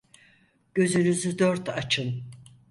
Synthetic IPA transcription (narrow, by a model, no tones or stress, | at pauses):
ɟ̥ø̞zynyzyd̪øɾt̪ʰat͡ʃʰɯn